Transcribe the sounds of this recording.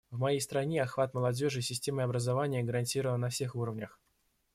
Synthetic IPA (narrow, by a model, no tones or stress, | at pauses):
vmɐjejst̪ɾɐnʲeɐxvat̪məlˠɐdʲo̞ʐɨsʲɪsʲtʲeməɐbɾəzavanʲɪjəɡəɾɐnʲtʲiɾəvənnɐfsʲe̞xuɾəvnʲəx